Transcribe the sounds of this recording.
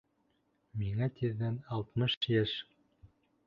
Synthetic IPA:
miŋæt̪iðːænɑlˠt̪mɤʃjæʃ

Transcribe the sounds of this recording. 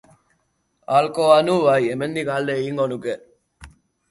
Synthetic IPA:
aːlkoːɐnuːʋɐiemenːiɡɐɦɐlːeiŋonuɡe

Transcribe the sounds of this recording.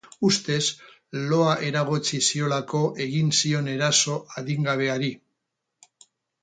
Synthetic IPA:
ust̪e̞s | lo̞aʔe̞ɾaɣ̞ot͡sisio̞lako̞ʔe̞ɣinsio̞ne̞ɾaso̞ʔaðiŋɡaβ̞e̞aɾi

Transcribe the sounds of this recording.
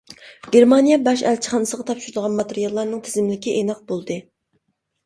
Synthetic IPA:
ɡ̥ʲeɾmɑnijɛbɛʃælt͡ʃʰi̥χɑnɨsəʁɑt̪ʰɑpʃuɾd̪ʁɑnmɑt̪eɾijɑlˠːɑɾnɨŋt̪ʰɪ̥zɪmlɪkʲiʔenɑq̚bolˠd̪ɨ

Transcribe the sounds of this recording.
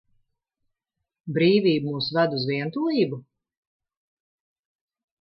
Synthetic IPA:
bɾiːviːbumuːsvæd̪uzviɛnt̪uɔiːbu

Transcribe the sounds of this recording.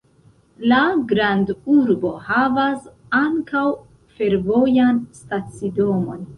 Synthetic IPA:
laɡɾanduɾbo̞havas | aŋkaw | fe̞ɾvo̞janstat͡sido̞mo̞n

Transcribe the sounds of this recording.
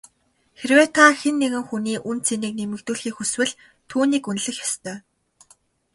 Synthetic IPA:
xeɾweːt̪ʰaxenːeɣɘ̆ŋxuniːʔunt͡sʰeniːk̚nemɘ̆kt̪uːɮxiːxuswɘ̆ɮ | t̪ʰuːniːkunɮɘ̆xjḁst̪ʰœː

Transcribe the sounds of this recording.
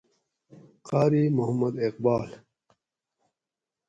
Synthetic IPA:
qaːɾiːmuhɐmːɐd̪eqbaːl

